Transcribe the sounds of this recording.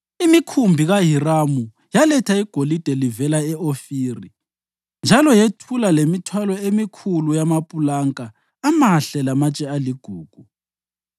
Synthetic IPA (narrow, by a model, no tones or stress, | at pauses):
imikʰumbʱiɣaɦiramu | jalɛtʰaiɡ̥ʱolid̥ʱɛlivɛlaɛofiːri | nd͡ʒʱalɔjetʰulalemitʰwalɔemikʰulujamapʼulaŋkʼaː | maɬɛlamat͡ʃʼɛaliɡ̥ʱuːɡ̥ʱu